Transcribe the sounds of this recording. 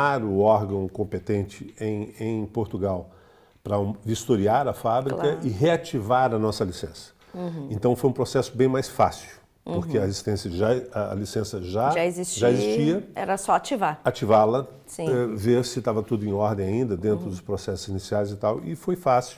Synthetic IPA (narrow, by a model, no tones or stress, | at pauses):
aɾʊɔɾɡɐ̃w̃kõmpet̪ẽnt͡ʃɪẽj̃ẽj̃poɾt̪uɡaw | pɾɐvist̪oɾiaɾɐfabɾikɐɪɦeat͡ʃivaɾɐnɔsɐlisẽsɐ̥ | ẽnt̪ɐ̃w̃fojũpɾosɛsʊbẽj̃majsfasiuw | poɾkeɐezist̪ẽsiɐʒaɐ̰lisẽsɐʒaʒaezist͡ʃʒaezist͡ʃiɐɛ̰ɾɐsɔat͡ʃivaɾat͡ʃivalɐ | sĩɛveɾsɪt̪avɐt̪ud̪ʊẽj̃ɔɾd̪ẽj̃aĩnd̪ɐd̪ẽnt̪ɾʊd̪ʊspɾosɛsʊzinisiajzɪt̪awɪ̰fojfasi